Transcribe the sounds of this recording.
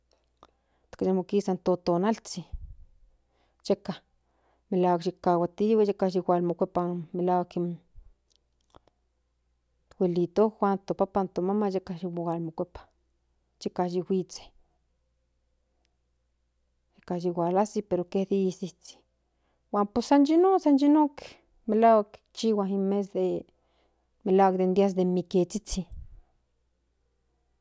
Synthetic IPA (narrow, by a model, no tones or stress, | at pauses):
t̪kaʃemokisant̪ot̪onalt͡si | jeka | melaːwakʃikːawat̪iwejekaʃiwalmokʷepamelaːwakin | t̪welit̪oxʷwʷant̪opapant̪omamajekaʃiwowalmokʷepḁ | t͡ʃikaʒiwʷit͡se̥ | d͡ʒikaʒiwʷalasipeɾoked̪isit͡si̥ | wʷanpusand͡ʒinosand͡ʒinok | melak | t͡ʃiwaɦimes̬d̪e | melaɡd̪end̪jas̬d̪emiket͡sit͡si